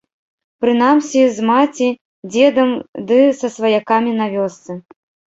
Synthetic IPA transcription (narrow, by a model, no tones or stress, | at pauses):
pɾɨnamsʲizmat͡sʲi | d͡zʲɛd̪ɐmd̪ɨsɐsvɐjakamʲinavʲɔst̪sɨ